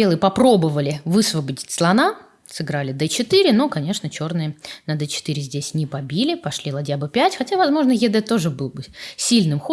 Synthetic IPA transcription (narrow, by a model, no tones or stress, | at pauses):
bʲelˠɨjəpɐpɾo̞bəvəlʲɪvɨsvəbədʲɪtʲslˠɐna | sɨɡɾalʲɪd̪ət͡ɕɪt̪ɨɾʲɪno̞kɐnʲe̞ʂnət͡ɕo̞rnɨjənəd̪ɛt͡ɕɪ̥t̪ɨɾʲɪzʲdʲesʲnʲɪpɐbʲilʲɪpɐʂlʲilˠɐdʲabɨpʲætʲxɐtʲavɐzmo̞ʐnəjʲɪd̪ɛt̪o̞ʐɨbɨlˠbɨsʲilʲnɨmxo